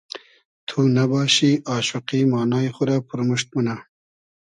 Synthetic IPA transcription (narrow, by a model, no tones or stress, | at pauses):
t̪ʰunabɑːɕiʔɑːʃuqimɑːnɑːjxʊɾaːpʊɾmuʂt̪̚muna